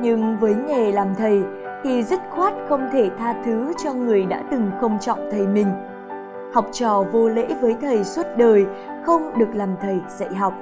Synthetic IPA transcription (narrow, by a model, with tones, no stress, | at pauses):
ɲɨ˧ŋvəː˨˦jɲe˨˩laː˨˩mt̪ʰə˨˩j | t̪ʰi˨˩zə˦˥t̚xwaː˦˥t̚xə˧wŋ͡mt̪ʰe˧˩t̪ʰaː˧t̪ʰɨ˨˦t͡ɕɔ˧ŋɨ˨˩əjɗa̰ː˧˥t̪ɨ˨˩ŋxə˧wŋ͡mt͡ɕɔ̰˧˨wŋ͡mt̪ʰə˨˩jmï˨˩ŋ̟ | ha˨˩wk͡p̚t͡ɕɔ˨˩vo˧lḛ˧˥vəː˨˦jt̪ʰə˨˩jswə˦˥t̚ɗəː˨˩j | xə˧wŋ͡mɗɨ˨˩ək̚laː˨˩mt̪ʰə˨˩jz̥ə̰˧˨jɦa˨˩wk͡p̚